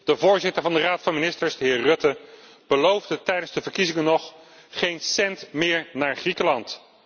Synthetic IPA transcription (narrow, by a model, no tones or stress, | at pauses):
d̥əvʊːɹzɪtəɹvɑndəraːtfɑnminɪstəɹzdəɦɪːɹrɵtə | b̥əlowvdətɛjdənzdəvəɹkizɪŋənɔχ | χejnsɛntmɪːɹnaːɹχrikəlɑnt